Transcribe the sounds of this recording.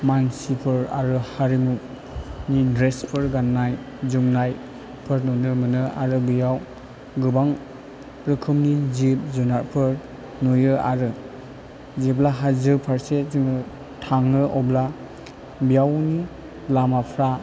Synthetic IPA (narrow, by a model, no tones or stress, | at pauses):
mansipʰɯɾa̰ɾɯhaɾimu | nidɾespʰɯɾɡanːaj | zumnaj | pʰɯɾnonɯmɯnɯa̰ɾɯbijaw | ɡɯbaŋ | ɾɯkʰɯmnizip̚zunaɾpʰɯɾ | nojɯaɾɯ | ziblaɦazɯpʰaɾseziŋɯ | tʰaŋnɯʔɔbla | bijawni | lamapʰɾa